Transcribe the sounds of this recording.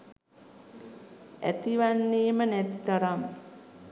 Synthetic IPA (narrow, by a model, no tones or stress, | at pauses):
æ̰t̪iʋanːiːmənæt̪it̪aɾam